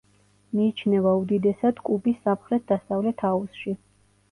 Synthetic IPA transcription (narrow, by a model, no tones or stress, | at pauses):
miːt͡ʃʰnɛvaud̪id̪ɛsad̪̥kʼubisːamχɾɛt̪̚d̪ast̪ʼavlɛt̪ʰausʃi